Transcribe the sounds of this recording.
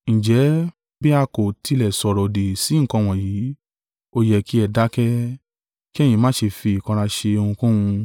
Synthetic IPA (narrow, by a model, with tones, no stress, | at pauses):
n̩˨d͡ʒɛ˨˦ | bi˦a˧ko˨ti˧lɛ˨sɔ˨ɾɔ˨de˨si˨˦ŋ̩˨kɔ̃˧w̃ɔ̃˨jiː˨˦ | o˧jɛ˨kʰi˦ɛ˧˨da˨˦kɛ˦ | ki˦ɛ˦˨jĩ˧mãː˦ʃe˧fi˧i˨kɔ̃˧ɾa˧ʃe˧o˧hũ˧kũ˦hũ˧